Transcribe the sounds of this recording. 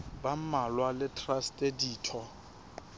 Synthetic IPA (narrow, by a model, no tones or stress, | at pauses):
bam̩malwalɪtʰʼrastʼediːtʰɔ